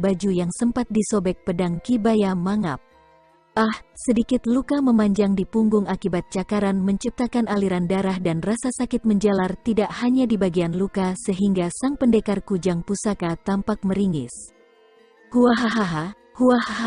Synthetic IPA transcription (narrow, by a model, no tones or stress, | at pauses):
bad͡ʒujaŋsəmpat̪̚disobɛk̚pədaŋkibajamaŋa̰p̚ | ʔahsədikɪt̪lukaməmaɲd͡ʒaŋdipuŋɡʊŋakibat̪̚t͡ʃakaɾanməɲt͡ʃip̚t̪akanaliɾandaɾahdanrasasakɪt̪̚məɲd͡ʒalart̪idaʔhaɲadibaɡianlukasəɦiŋɡasaŋpəndekarkud͡ʒaŋpusakat̪ampak̚məɾiŋɪ̰s | huaɦaɦaɦa | huaha